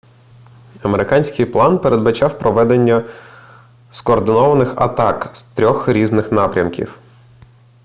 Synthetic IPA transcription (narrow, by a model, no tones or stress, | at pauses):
ɐme̞ɾɪkɑnʲsʲkɪjplˠɑnpeɾe̞d̪bɐt͡ʃɑwpɾɔʋɛd̪enʲːɐ | skɔːrd̪ɪnɔʋɐnɪxɐ̰t̪ɑkst̪ɾʲɔxɾʲiznɪxnɑpɾʲɐmkʲḭw